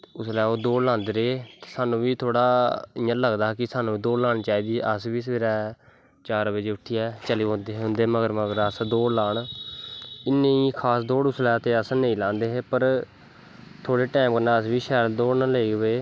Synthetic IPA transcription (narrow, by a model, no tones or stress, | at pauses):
ʊslɛːoːd̪oːɽlãːnd̪eɾeːt̪eːsaːnũːʋiːt̪ʰoːɽaːɪːãːləɡd̪aːkɪsaːnũːiːd̪oːlaːɽ̃t͡ʃaːiːd̪iːʔəsʋiːseːɾɛː | t͡ʃaːɾʋeːd͡ʒeːʊʈʰːiːɛːt͡ʃəliːɦõnd̪eːɦʊ̃nd̪eːməɡəɾməɡəɾəsd̪oːɽlaːɳ | ɪnːeiːkʰaːsd̪oːɽʊslɛːt̪eːəsnəĩːlãːnd̪eːɦeːpəɾ | t̪ʰoːɽeːʈɛːmkəɾnaːəsʋiːʃɛːld̪oːɽnaleːɡʋeː